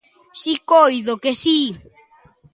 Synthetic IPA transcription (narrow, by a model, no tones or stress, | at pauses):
sikojðokesi